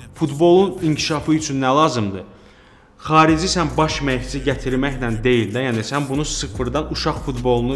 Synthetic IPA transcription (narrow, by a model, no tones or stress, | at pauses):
fut̪bo̞lˠuniɲcʰiʃɑfɯyt͡ʃʰynːælˠɑːzɯmd̪ɯ | χɑːɾid͡ʒisænbɑʃmæçsiɟæt̪ʰiɾmæçnænd̪e̞jild̪æjæːnisænbunusɯfɯɾd̪ɑnuʃɑχfut̪bo̞lˠunu